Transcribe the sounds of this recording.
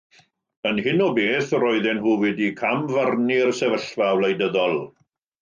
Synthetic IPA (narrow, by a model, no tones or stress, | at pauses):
ənhɪnɔbeːθrɔjðɛnhuːwɛdikʰamvarnirsɛvəɬvawlejdəðɔlˠ